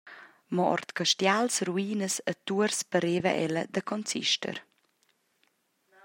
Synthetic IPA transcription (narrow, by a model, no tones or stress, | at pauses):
mɔʔɔ̰ɾt̪kəʃtjalsruiːnəsət̪uəɾspəɾeːvə̰ʔɛləd̪əkʰɔnt͡sḭʃtə̰ɾ